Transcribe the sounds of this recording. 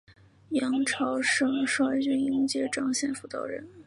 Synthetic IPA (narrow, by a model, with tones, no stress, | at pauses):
jɑ˧˥ŋʈ͡ʂʰɑ˧˥ʊʂɤ˥ŋʂwa˥ɪt͡ɕy˥ni˧˥ŋt͡ɕjɛ˥ʈ͡ʂɑ˥ŋɕjɛ˥˧nfu˧˩t̪ɑ̰˥˩ʊɻə̰˧˥n